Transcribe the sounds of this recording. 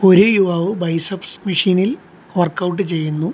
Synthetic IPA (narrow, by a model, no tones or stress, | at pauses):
o̞ɾujuʋɐːʋɨbɐjsɐpsmiʂiːnil | ʋɐrkɐwʈ̬ːɨt͡ɕe̞jːunːu